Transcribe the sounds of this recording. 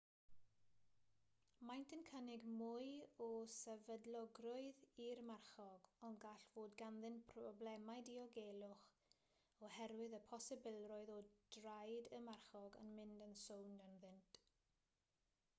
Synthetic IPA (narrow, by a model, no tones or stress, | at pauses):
majntʰənkʰənɪɡmʊɨɔsɛvədlˠɔɡrʊɨðirmarχɔɡɔnɡaɬv̥oːdɡanðɪnpʰrɔblɛmajdiɔɡelˠʊχ | ɔhɛɾwɪðəpʰɔsɪbɪlˠrɔɨðɔdrajdəmarχɔɡə̰nmɪndənsowndənðɪnt